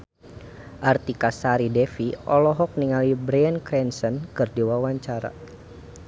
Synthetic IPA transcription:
ʔart̪ikasaɾidɛfiɔlɔɦɔk̚niŋalibɾankɾɛnsənkɨrdiwawaɲt͡ʃaɾa̰

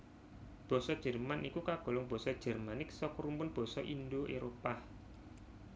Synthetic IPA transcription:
b̥ɔ̤sɔd̥ʒ̥ə̤rmanikukaɡ̥o̤lɔŋb̥ɔ̤sɔd̥ʒ̥ə̤rmanɪk̚sɔkɾumpʊnb̥ɔ̤sɔʔindoʔeɾopa

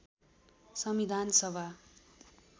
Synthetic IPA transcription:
sʌmid̪ʱansʌbʱa

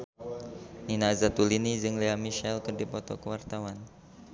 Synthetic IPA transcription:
ninazat̪ulinid͡ʒɨŋleamiʃɛlkərdipɔt̪ɔ̰kəwart̪awan

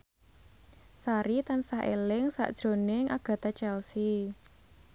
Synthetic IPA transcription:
saɾit̪ansaɦʔelɪŋsa̰ʔd̥ʒ̥ɾo̤nɪŋʔaɡ̥ä̤t̪at͡ʃɛlsi

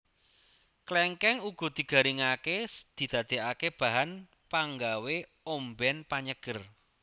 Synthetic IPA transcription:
klɛŋkɛŋuɡ̥ɔ̤d̪̥i̤ɡ̥a̤ɾiŋakesd̪̥i̤d̪̥ä̤d̪̥e̤ʔakeb̥a̤ɦan | paŋɡawe | ombɛnpaɲəɡ̥ə̤r

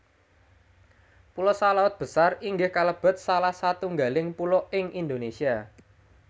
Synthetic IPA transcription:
pulɔsalaʊt̪̚b̥ə̤sariŋɡɪhkaləb̥ə̤t̪̚salahsat̪uŋɡalɪŋpulɔɪŋʔind̪onesia

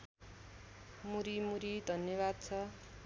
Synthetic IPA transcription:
muɾimuɾid̪ʱʌnjʌβad̪̚t͡sʰʌ

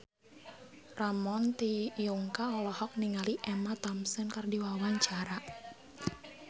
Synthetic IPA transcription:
ramɔnt̪ijuŋkaɔlɔhɔk̚niŋaliʔɛmat̪ɔmsənkardiwawaɲt͡ʃaɾa

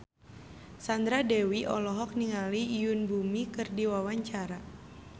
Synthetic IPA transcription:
sand̪ɾadɛwiʔɔlɔɦɔk̚niŋaliːjunbumikɨrdiwawaɲt͡ʃaɾa

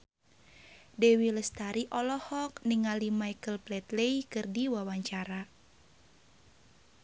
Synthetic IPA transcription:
dɛwiləst̪aɾiʔɔlɔhɔk̚niŋalimajkəlplɛt̪leikɨrdiwawaɲt͡ʃaɾa

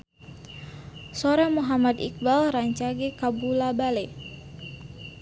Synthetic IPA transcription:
soɾamuɦamad̪ḭk̚balraɲt͡ʃaɡekabulabale

